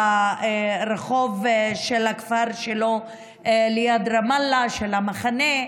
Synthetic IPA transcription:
a | ɾeχo̞vʃelakfaɾʃelo̞ | lejad̪ʁamalːaʃelamaχane

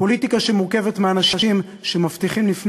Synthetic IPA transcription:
po̞litikaʃe̞muʁkevetmeanaʃaʃim | ʃe̞maft̪iχimlifn

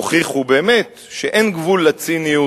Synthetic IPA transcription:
χiχhubeːmet̪ | ʃeʔenɡvulːat͡siniju

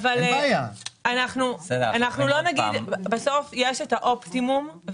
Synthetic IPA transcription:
valjaanaχnusedanaχnulo̞naɡd̪baso̞fje̞ʃetaʔo̞pt̪imum

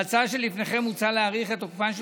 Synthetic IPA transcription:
t͡saʃelːifneχe̞mut͡saleaʁiχet̪okpanʃ

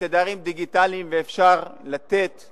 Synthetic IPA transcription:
ed̪aʁimd̪iɡit̪alimveːfʃaʁlat̪e̞t̪

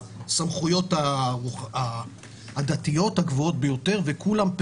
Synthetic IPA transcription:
samχujo̞taʁuaː | d̪at̪ijo̞thaɡvoo̞t̚bejo̞te̞ʁvekulamp

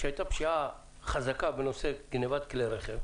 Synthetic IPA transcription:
ʃehajt̪apʃia | χazakabeno̞seɡnevat̪kleɾeχev

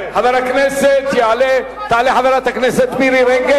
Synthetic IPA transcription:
hɐd̪aɾɐkʰneset̪iaːle | t̪aːleɦɐd̪aɾat̪ɐkʰneset̪biɾiɾẽŋɡe

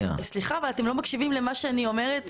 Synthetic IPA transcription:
a̰sliχavalatemlomakʃivimlemaʃeanio̞me̞ʁet

